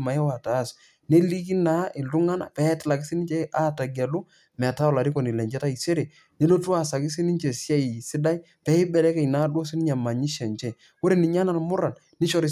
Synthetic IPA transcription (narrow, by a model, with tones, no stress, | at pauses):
ma˨jɛ˦wa˨ta˨˦s | ne˦li˦k̬i˦na˦ʔɪ˨ltu˦ŋa˦na̰˨pɛ˦tɪ˦la˨kɪ˦si˦ni˦ɲt͡ʃɛ˦a˦ta˨ɡi˨a˨lu˦ | mɛ˨ta˦ɔ˨la˨ɾi˦ko˨ni˨lɛ˨ɲd͡ʒɛ˦ta˦i˨se˦ɾe˨ | ne˦lo˦tu˦a˦˨sa˨kɪ˦s̬i˦ni˦ɲt͡ʃe˨sja˦i˨sɪ˦da˦i˦ | pɛ˦ɪ˦bɛ˨lɛ˦kɛ˨jna˨˦do˦sɪ˦nɪ˦ɲa˨ma˨ɲi˦ʃɛ˨nt͡ʃɛ˦˨ | wo˦ɾe˨nɪ˨ɲa˦na˨lmʊ˦ɾa˨n | nɪ˦ʃɔ˦ɾɪ˦